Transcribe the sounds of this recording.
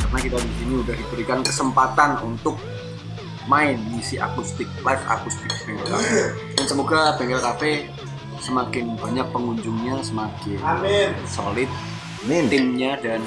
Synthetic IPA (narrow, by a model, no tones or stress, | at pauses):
karənakit̪abiɡiniudahdibəɾikankəsəmpat̪anunt̪ʊk̚ | maɪnmisiʔa̰kust̪ɪk̚lafa̰kust̪ɪk̚b̥ɛŋɡəɾk̪a̰pɛ | dansəmoɡabɛŋɡɾt̪apɛ | səmakɪnbaɲak̚pəŋuɲd͡ʒʊŋɲasəmakɪnso̰lɪt̪̚ | ɪmɲadan